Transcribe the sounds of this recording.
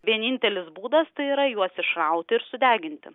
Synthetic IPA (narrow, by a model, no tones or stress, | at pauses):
ʋʲiɛnʲinʲt̪ʲɛlʲɪsbuːd̪ɐst̪ɐɪiːɾɐjuɔsɪʃɾɐʊt̪ʲɪɪɾsʊd̪ʲæːɡʲɪnʲt̪ʲɪ̰